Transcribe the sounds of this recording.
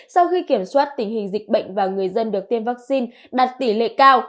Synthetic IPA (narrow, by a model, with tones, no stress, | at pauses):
sa˧wxi˧ki˧˩əmswaː˦˥t̚t̪ï˧˩ŋ̟hï˨˩ŋ̟zï˨˩k̚ɓə̰˧˨jŋ̟vaː˨˩ŋɨ˨˩əjzə˧nɗɨ˨˩ək̚t̪e˧nvaː˦˥k̚si˧n | ɗaː˨˩t̚t̪i˧˩lḛ˧˨kaː˧w